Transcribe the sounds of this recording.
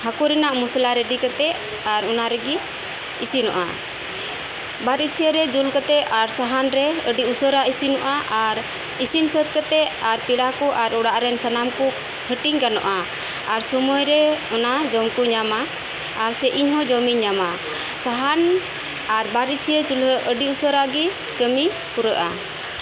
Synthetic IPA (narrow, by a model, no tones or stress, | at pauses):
hakuɾɛnaʔmuslaɾɛɖikat̪ɛʔ | aɾɔnaɾɛɡi | isinɔ̰ʔa̰ | baɾit͡ʃʰijəɾɛd͡ʒulkat̪ɛʔaɾsaɦanɾɛəɖiusɔɾaʔisinɔʔaʔaɾ | isinsɔt̪̚kat̪ɛʔaɾpiɽakɔʔaɾɔɽaʔɾɛnsənamkɔ | hʰəʈiɲkanɔ̰ʔa | aɾsɔmɔjɾɛɔnad͡ʒɔmkuɲama | aɾsɛʔiɲɦɔ̃d͡ʒɔmiɲama | saɦan | aɾbaɾit͡ʃʰiəd͡ʒuləʔəɖiusɔɾaɡi | kəmi | kuɾəʔa̰